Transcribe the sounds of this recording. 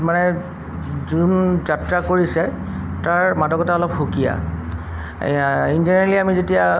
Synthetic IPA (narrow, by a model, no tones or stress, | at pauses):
manɛ | zunzatɹakoɹisɛ | taɹmadɔkɔtaɔlɔpxukija̰ | inzɔnaɹliamizetija